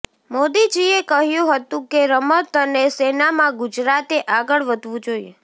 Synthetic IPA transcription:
mod̪id͡ʒiekəɦjũɦət̪ũkeɾəmət̪ənesenamãɡʊd͡ʒɾat̪eʔaɡəɭʋəd̪ʱʋũd͡ʒoiḛ

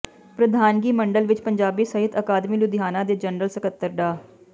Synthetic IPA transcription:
pɾəd̪ʱaːnɡiːməɳɖəlʋɪt͡ʃpəɲd͡ʒaːbiːsəɦɪt̪əkaːd̪miːlʊd̪jaːnãːd̪eːd͡ʒənɾəlsəkət̪ːəɾɖaː

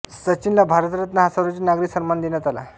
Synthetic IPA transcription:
sət͡ɕinlabʱaɾət̪ɾət̪nəɦasaɾat͡ɕiːnaɡɾiksənmand̪injat̪ala̰

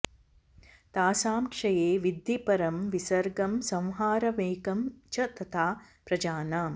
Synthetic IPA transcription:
t̪aːsaːmkʂɐjeːʋid̪ːipɐɾɐmʋisɐɾɡɐmsɐ̃w̃ɦaːɾɐʋeːkɐmt͡ʃɐt̪ɐt̪ʰaːpɾɐd͡ʒaːna

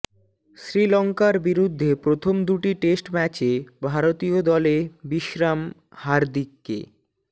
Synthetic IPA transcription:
ʃɾilɔŋkaɾbiɾud̪ʱːepɾot̪ʰomd̪uʈiʈesʈmɛt͡ɕebʱaɾot̪iod̪ɔlebiʃɾam | haɾd̪ikːḛ

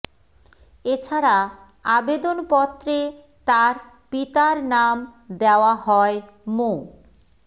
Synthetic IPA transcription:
et͡ɕʰaɾa | abed̪onpɔt̪ːɾe | t̪aɾ | pit̪aɾnamd̪eoaɦɔe | mo

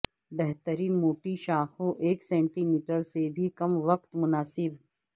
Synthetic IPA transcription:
bɛɦt̪əɾiːnmoːʈiʃaːxõʔeːksɛ̃ːɳʈiːmiːʈəɾsebʱikɐmʋɐq̚t̪mʊnaːsɪb

